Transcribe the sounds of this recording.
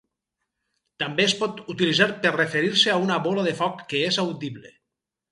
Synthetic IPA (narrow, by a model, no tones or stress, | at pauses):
t̪ambeːspɔt̪ut̪ilizaɾpeɾrefeɾiɾseaunaβolaðefɔkːeezawd̪iβle